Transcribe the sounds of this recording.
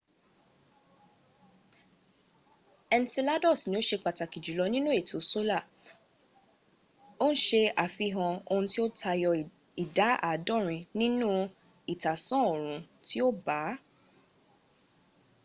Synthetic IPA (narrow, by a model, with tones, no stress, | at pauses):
ɛ˧n˦ti˧la˦dɔ˦˨snĩ˨˦o˦ʃe˧k͡pa˨ta˨ki˨d͡ʒu˨˦lɔ˧nĩ˦nũ˦e˦˨tʰo˨˦so˦la˦˨ | o˦ñ̩˦ʃe˧a˨fi˧ɦã˧o˧ũ˧ti˦o˦tʰa˧jɔ˧ | i˨da˨˦a̰˦˨dɔ̃˦˨ɾ̃ĩ˧nĩ˦nũ˦ | i˨ta˨sɔ̃˦o˨ɾ̃ũ˨˦ti˦o˦ba˨˦